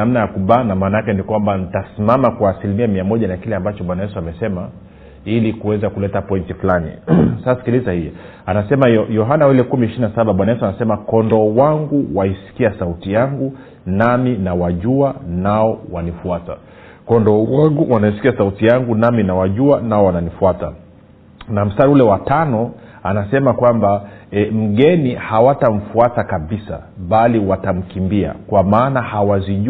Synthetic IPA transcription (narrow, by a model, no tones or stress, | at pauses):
namnajakuɓaːnamaːnajakɛnikwambanitasimamakwaːsilimiamiamɔʄanakilɛambat͡ʃɔɓwanajɛsuamɛsɛma | ilikuwɛzakulɛtapɔintifulanḭsassi̥kilizahijɔ | anasɛmaɔjɔɦanawilɛkumiiʃininasaɓaɓwanajɛsuanasɛmakɔndɔwaŋɡuwaisi̥kiasautijaŋɡu | naminawaʄuanaɔwanifuata̰ | kɔndɔwaŋɡuwanaisi̥kiasautijaŋɡunaminawaʄuanaɔwananifuata | nam̩staɾulɛwatanɔ | anasɛmakwambaɛm̩ɠɛnihawatam̩fuatakaɓisa̰ɓaliwatam̩kimbia̰kwamaːnahawaziʄ